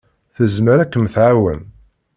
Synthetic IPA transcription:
θəzməɾækːəmθʕawə̰n

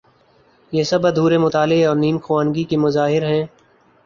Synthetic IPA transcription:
jesɐbɐd̪ʱuːɾemʊt̪aːlɪɔːɾniːmxʰʊwaːnɡikimʊzaːɦɪɾɦɛ̃ː

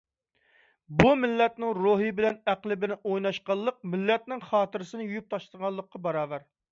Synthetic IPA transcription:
bumɪlːɛt̪nɪŋɾoɦɨbɪlɛnæqlˠɪbɪlɛnojnɑʃqɑlˠːəq̚mɪlːɛt̪̚nɪŋχɑːt̪ɨɾɨsɨnɪjujyp̚t̪ʰɑʃləʁɑlˠːəqːɑbɑɾɑːvæɾ

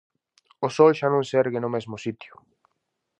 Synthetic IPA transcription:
osɔlʃanõŋsɛɾɣɪnʊmezmʊsit̪jʊ

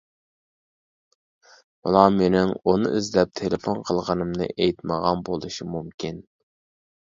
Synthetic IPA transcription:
mɑ̰lˠɑmenɪŋunɨ̰ʔizlɛp̚t̪ʰelɪfonqʰəlˠʁənɨmnɨ̰ʔejt̪məʁɑnbolˠuʃimumkʲʰin

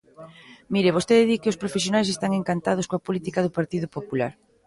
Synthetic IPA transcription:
miɾɪβost̪eðɪðikɪospɾofesjonajs̬est̪aŋeŋkant̪að̞ʊskoapolit̪ikaðʊpaɾt̪iðʊpopula̰ɾ

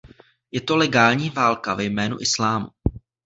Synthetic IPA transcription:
jɛt̪o̞lɛɡaːlɲiːvaːlkavɛjmɛːnṵʔɪslaːmṵ

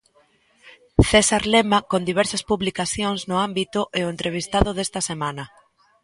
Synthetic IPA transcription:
θesaɾlemakond̪iβ̞ɛɾsɐspuβlikaθjoŋznʊambit̪ʊʔeʊent̪ɾeβ̞ist̪aðʊðest̪ɐsemanɐ

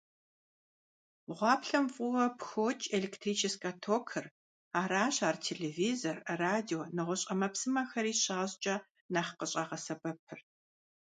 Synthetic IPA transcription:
ʁʷɑːpɬɐmfʼʊwɐpxoːt͡ʃʼeleːktʰriːt͡ʃʰɪskʰʼɐtʰoːkʰɨr | aːɾaːɕaːrtʰeːleviːzorɐraːdionɨʁʷɔɕʼɐmɐpsɨmɐxɐɾiːɕaːʑt͡ʃʼɐ | naχqəɕʼɐʁɐsɐbɐpʰɨr

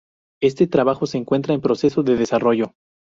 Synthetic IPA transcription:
e̞st̪e̞t̪ɾaβaxo̞se̞ːŋkwe̞nt̪ɾaempɾo̞se̞soðe̞ðesaro̞ʝo̞

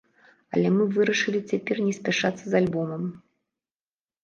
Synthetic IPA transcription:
ɐ̰lʲɛmɨvɨɾɐʂɨlʲit͡sʲapʲɛrnʲɛsʲpʲaʂat̪sːɐzalʲbɔmɐm

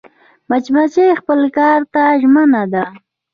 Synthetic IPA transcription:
mat͡ʃbat͡ʃejxpəlkɑɾt̪aʒmənad̪a

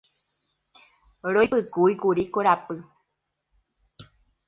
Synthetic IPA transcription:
ɾojpɨkuikuɾikoɾapɨ

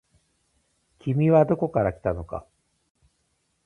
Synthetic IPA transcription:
kʲimʲiβad̪o̞ko̞kaɾakʲi̥t̪ano̞ka̰

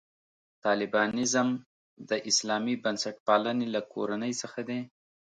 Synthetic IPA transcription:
t̪ɑlɪbɑnɪzəm | d̪əʔɪslɑmibansaʈ̚pɑlanelakʰo̰ɾanəjsəxad̪e

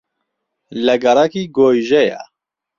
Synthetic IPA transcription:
lɛɡɐɾakiːɡoːjʒɛjɛ̰

